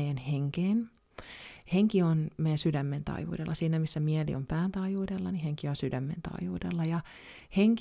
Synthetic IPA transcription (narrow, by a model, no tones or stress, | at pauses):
jænheŋkeːn | heŋkionmejænsydæmːent̪ɑ̰iʋṵːdḛlːɑsiːnæmisːæmielḭʔompæːnt̪ɑijuːdelːɑniheŋkionsydæmːḛnt̪ɑ̰ijṵːdelːɑjɑ | heŋk